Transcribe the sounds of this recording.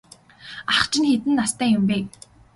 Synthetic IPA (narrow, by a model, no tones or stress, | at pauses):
aχt͡ɕɪ̆nxet̪ɘ̆nːast̪æːjʊmpeː